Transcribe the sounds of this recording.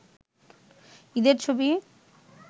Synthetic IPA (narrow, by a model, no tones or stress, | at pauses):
id̪eɾt͡ɕʰobi